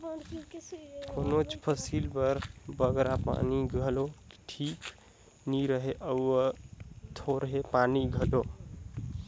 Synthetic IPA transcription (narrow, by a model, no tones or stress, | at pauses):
konot͡ʃpʰəsilpəɾbəɡɾapa̰niɡʱəlo̥ʈʰik | niɾəɦeʔəwət̪ʰoɾɦepaniɡʱəʈo